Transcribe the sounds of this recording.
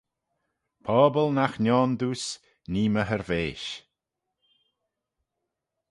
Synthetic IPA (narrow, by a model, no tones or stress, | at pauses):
pʰɔːbəlnaxnʲɔːnd̪uːs | niːməɦəɾveːʃ